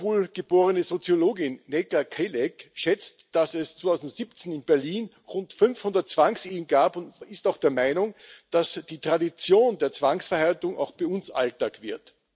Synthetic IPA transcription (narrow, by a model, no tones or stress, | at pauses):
uːlɡ̥əboːʁənəzot͡sjoloːɡɪnːeklakʰɛlɛkʃɛt͡std̥asɛst͡sv̥atɑʊzn̩tz̥ipt͡senɪnbɛɐliːn | ʁʊntfʏnfhʊndɐt̚t͡sv̥aŋsiln̩ɡaːpʊntɪstaʊxd̥eːɐmaɪnʊŋd̥asd̥iːtʁ̥adit͡sjoːndeːɐt͡sv̥aŋsfɛɐhatʊŋa̰ʊxb̥æɪʊnsʔa̰ltaːkv̥ɪɐt